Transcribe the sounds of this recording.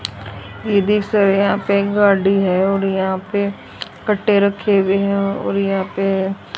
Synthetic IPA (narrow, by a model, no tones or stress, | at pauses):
jeːd̪isəɾjɦãːpeɡaːɖiɦɛoːɾjɐɦãːpe | kəʈʰːeɾəkʰːeʋeɦɛo̰ːɾjəɦãːpe